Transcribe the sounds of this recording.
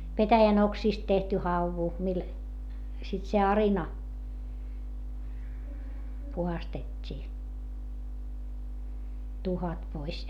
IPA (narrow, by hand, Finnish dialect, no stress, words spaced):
petæjæn oksiːst tehty hɑuʋu mil sit se ɑrinɑ puhɑstetʲːiː tuhɑt pois